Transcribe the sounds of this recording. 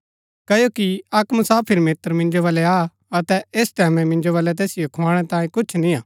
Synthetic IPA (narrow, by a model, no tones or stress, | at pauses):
kɐjokiɐkmɐsaːpʰɪɾmeːt̪əɾmɪ̃nd͡ʒoʋaːlɛa | ɐt̪ɛeːst̪ɛːmɛ̃mɪ̃nd͡ʒoʋaːlɛt̪̬eːsɪjokʰoãːɽ̃ɛt̪ãːĩkʊt͡ʃʰnĩaː